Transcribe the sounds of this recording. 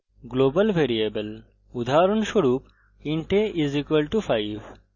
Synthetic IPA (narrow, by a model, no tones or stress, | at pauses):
ɡloːbɐlʋʱeːɾieːbɐl | ud̪ʱaːɾunʃoɽuːp | iɳʈeʔizikʋɐlʈufʰaiʋ